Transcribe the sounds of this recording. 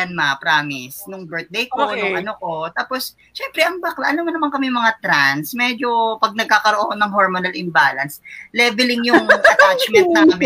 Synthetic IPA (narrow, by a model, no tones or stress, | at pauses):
ɐnmapɾaːmɪsnʊŋbɛɹt̪̚d̪ejkonʊŋʔɐnokot̪aːpo̞s | ʃɛmpɾɛʔɐŋbaklaʔɐnɐmɐnɐmaŋkɐmɪjʊŋmɐŋat̪ɾansmɛd͡ʒopɐɡ̚nɐɡ̚kaːkɐɾoʔokonɐŋɦoɹmonɐlɪmbaːlɐnslɛːvɛlɪŋjʊŋɐt̪ɾansmɛɐɐm